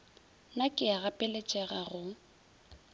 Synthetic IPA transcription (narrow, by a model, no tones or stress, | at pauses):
nakʼɪaɣapʼɪlɛt͡ʃʼɛɣaɣʊ